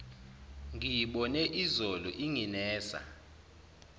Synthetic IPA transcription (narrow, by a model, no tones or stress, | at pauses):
ŋijiɓɔnɛʔizɔlɔʔiŋinɛːsa̰